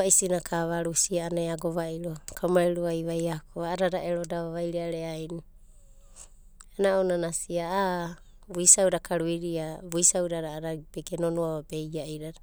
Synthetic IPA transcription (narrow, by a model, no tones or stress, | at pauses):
aisinakʰaβaɾusiaːnajaɡoβaiɾokʰamaɾiɾuajβajakoaːɾaɾaʔeɾodaβaβajɾeaɾeajni | enaonanasiaa | buisawdakʰaɾuiɾiabuisawɾaɾaːɾabeɡenonuaabe̞jaʔiɾaɾa